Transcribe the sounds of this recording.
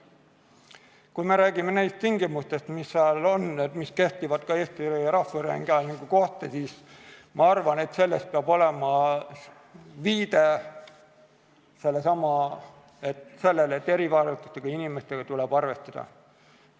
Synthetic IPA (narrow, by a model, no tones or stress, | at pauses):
kujme̞ɾæːɡ̥ime̞nejst̪iŋɡimust̪e̞st̪misːeɑlo̞nːed̪miske̞ht̪ivɑt̪kɑe̞ːst̪iɾɑhːɑɾeŋɡeɑlniŋɡ̥uko̞ht̪esiːsmɑɑrvɑne̞t̪se̞lːest̪̚peɑbo̞le̞mɑ | viːd̪̥e̞ | se̞lːesɑmɑ | e̞t̪se̞lːelet̪ːe̞ɾivɑːɾut̪ːˑust̪eɡ̥ɑinimest̪e̞ɡ̥ɑt̪ulɛb̥ɑrve̞st̪ɑd̪̥ɑ̰